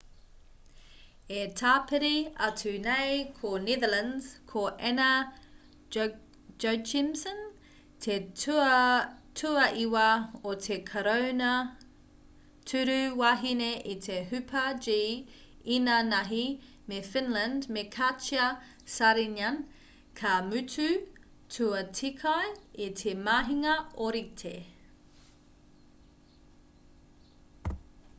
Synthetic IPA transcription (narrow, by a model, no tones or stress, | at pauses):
etʰaːpʰeɾiɐtʰʉnejkʰoneðəlɐnz̥kʰoʔɛnɐ | d͡ʒot͡ʃimsən | tʰe | tʰuɐʔiwɐot̪ʰekʰɐɾownɐ | tʰʉɾʉwaːɦineʔit̪ʰeɦʉpʰɐd͡ʒi | inɐnɐɦi | mefɪnləndmekʰat͡ʃiɐ | saɾinɐn | kʰamʉtʰʉ | tʰuɐtʰikʰɐjitʰemaɦiŋɐoɾitʰe